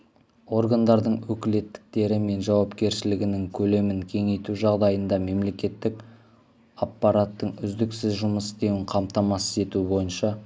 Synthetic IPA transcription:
o̞rɡand̪ɑɾd̪əɴwɵkʲɪle̞t̪ːɪ̥k̚t̪e̞ɾɪme̞nʒɑwɑpkʲe̞ɾʃɪlɪɡʲɪnɪŋkʲʰɵle̞mɪŋkʲʰe̞ŋe̞jt̪uʒɑʁd̪ɑjənd̪ɑme̞mle̞kʲe̞t̪ːɪk | ɑpːɑɾat̪ːəɴʏzd̪ɪksɪzʒʊməst̪ewɪɴqʰɑmt̪ɑmɑsəze̞t̪ubo̞jənʃɑ

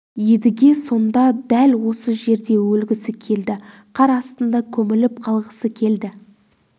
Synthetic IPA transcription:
je̞d̪ɪɡʲe̞so̞nd̪ɑd̪ælwo̞səʒe̞ɾd̪e̞wɵlɡʲɪsɪkʲʰe̞ld̪ɪ | qʰɑɾɑst̪ənd̪ɑkʲʰɵmɪlɪp̚qʰɑlˠʁəsəkʲʰe̞ld̪ɪ

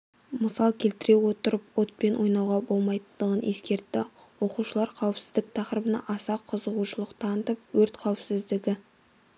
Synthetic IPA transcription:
məsɑlˠkʲʰe̞lt̪ɪɾe̞wo̞t̪əɾəpwo̞t̪̚pe̞nwo̞jnɑwʁɑbo̞lˠmɑjt̪ənd̪əʁənʔe̞skʲe̞ɾt̪ːɪ | wo̞quʃəlˠɑɾqʰɑwəpsɪzd̪ɪk̚t̪ʰɑqɾəbənɑ̰ʔɑsɑqʰːəzəʁuʃəlˠəqt̪ʰɑnət̪əp̚wɵɾt̪qʰɑwɪpsɪzd̪ɪɡʲɪ

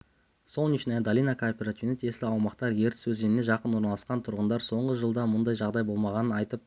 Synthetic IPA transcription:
solˠniʃnɑjd̪alʲijnakʰopʲiɾat̪ʲiunet̪ʰe̞slʲɪɑwmɑqt̪ɑɾje̞ɾt̪ɪ̥sɵzɡenɪne̞ʒɑqənwo̞ɾnɑlˠɑsqɑnt̪ʰʊɾʁənd̪ɑɾso̞ɴʁəʒəlˠd̪ɑmʊnd̪ɑjʒɑʁd̪ɑjbo̞lˠmɑʁɑnənɑjt̪əp̚

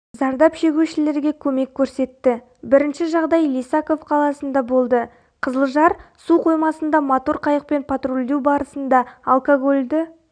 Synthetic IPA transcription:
zɑɾd̪ɑpʃe̞ɡʲuʃɪle̞ɾɡʲe̞kʲʰɵme̞kʲʰːɵɾse̞t̪ːɪ | bɪɾɪnʃɪʒɑʁd̪ɑjlijsako̞fqʰɑlˠɑsənd̪ɑbo̞lˠd̪ə | qʰəzəlˠʒɑɾsuqʰo̞jmɑsənd̪ɑmat̪oɾqʰɑjəq̚pe̞npʰat̪rolʲd̪e̞wbɑɾəsənd̪ɑːlˠkoɡolʲd̪ɪ

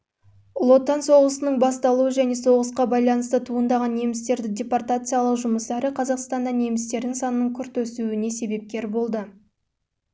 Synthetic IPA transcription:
lˠo̞t̪ːɑnso̞ʁəsənəɴbɑst̪ɑlˠuwəʒæne̞so̞ʁəsqɑbɑjlˠɑnəst̪ət̪ʰuənd̪ɑʁɑnːe̞mɪst̪e̞ɾd̪ɪdʲe̞part̪at̪sɨjaɑlˠəqʒʊməst̪ɑɾɪqʰɑzɑqst̪ɑnd̪ɑne̞mɪst̪e̞ɾd̪ɪŋsɑnənəɴkʲʰʏɾt̪ɵsuɪne̞se̞be̞p̚kʲe̞ɾbo̞lˠd̪ə

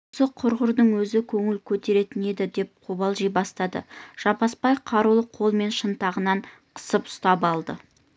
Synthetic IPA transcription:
osəqʰʊɾʁʊɾd̪əɴwɵzɪkʲʰɵŋɪlkʲʰɵt̪e̞ɾe̞t̪ɪne̞d̪ɪd̪e̞p̚qʰubɑlˠʒijbɑst̪ɑd̪ə̰ʒ̥ɑpɑspɑjqʰɑɾulˠəqʰo̞lˠme̞nʃənt̪ɑʁənɑɴqʰə̥səpʊ̥st̪ɑpɑlˠd̪ə

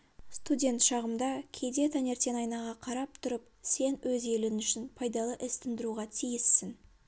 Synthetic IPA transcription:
st̪udʲe̞nt̪ʃɑʁəmd̪ɑkʲʰe̞d̪e̞t̪ʰane̞ɾt̪e̞nɑjnɑʁɑqʰɑɾɑp̚t̪ʰʊɾəp̚ | se̞nwɵze̞lɪnʏʃɪnpʰɑjd̪ɑlˠəʔɪst̪ɪnd̪ɪɾuʁɑt̪ʰijɪsːɪn

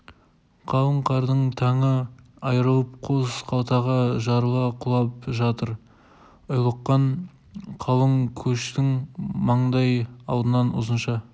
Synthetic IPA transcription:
qʰɑlˠəɴqʰɑɾd̪əɴt̪ʰɑɴə | ɑjɾəlˠəp̚qʰozqʰɑlˠt̪ɑʁɑʒɑɾəlˠɑqʰʊlˠɑp̚ʒɑt̪əɾ | ʊjlˠəqːɑɴ | qʰɑlˠəŋkʲʰɵʃt̪ɪŋmɑɴd̪ɑjɑ̰lˠd̪ənɑnʊ̰zənʃɑ

